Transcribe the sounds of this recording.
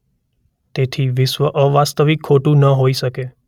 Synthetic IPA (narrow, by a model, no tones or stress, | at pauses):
t̪et̪ʰiʋɪʃʋəʔəʋast̪əʋikʰːoʈũnəɦoiʃəke